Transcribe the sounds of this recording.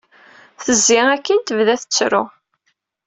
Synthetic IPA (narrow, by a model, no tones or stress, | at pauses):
θəzːɪʁækːint̪əvðæθə̥t͡sːɾʊ̰